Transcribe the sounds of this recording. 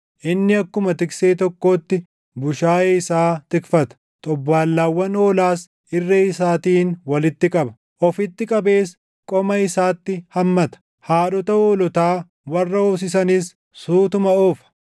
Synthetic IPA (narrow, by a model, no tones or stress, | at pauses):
ʔɪnːɪɐkːʊmɐt̪ɪkseːt̪ɔkːo̞ːt̪ːɪ | bʊʃaːeɪsaːt̪ɪkfɐt̪ɐ̥ | t̪ʼɔbːaːlːaːwːɐnoːlaːs | ɪrːeːɪsaːt̪iːnwɐlɪt̪ːɪkʼɐbɐ̥ | ʔɔfɪt̪ːɪkʼɐbe̞ːs | kʼɔmɐɪsaːt̪ːɪhɐmːɐt̪ɐ̥ | haːɗɔt̪ɐoːlɔt̪aː | wɐrːɐoːs̬ɪs̬ɐniːsː | uːt̪ʊmɐoːfɐ̥